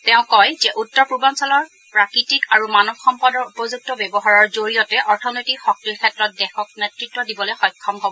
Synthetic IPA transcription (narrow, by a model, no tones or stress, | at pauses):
tɛʊ̃kɔjzɛʔutːɔɹpɹubɔnsɔlɔɹ | pɹakɹitikaɹumanɔbxɔmpɔdɔɹupɔzuk̚tɔbɛbɔɦaɹɔɹzoɹijɔtɛʔɔɹtʰɔnojtikxɔk̚tikʰɛtɹɔt̚dɛxɔk̚nɛtɹitːɔdibɔloɛjxɔjkʰːɔmkobɔ